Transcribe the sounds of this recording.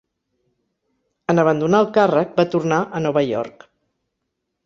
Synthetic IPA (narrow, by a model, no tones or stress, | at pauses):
ənəβ̞ənd̪unaəlˠkarək̚bat̪urnaʔənɔβəjɔ̰rk